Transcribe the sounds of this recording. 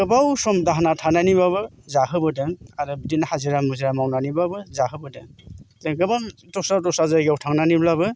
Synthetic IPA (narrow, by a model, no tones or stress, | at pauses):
ɡɯbawsɔmdaɦanatʰananibaβɯ | zaɦɯbɯdeŋaɾɯbdinahaziɾamɯziɾamawnanibabɯzahɯbɯdeŋteŋɡɯbaŋtɔsatɔsazajɡewtʰaŋnaniblabɯ